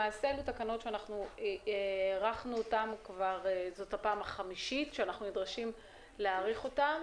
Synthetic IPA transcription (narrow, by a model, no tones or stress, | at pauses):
aːseelutakano̞tʃeanaχnueʁaχnuotamkvaʁezo̞thapaːmaχamiʃitʃeanaχnunidʁaʃim | leaːʁiχo̞tam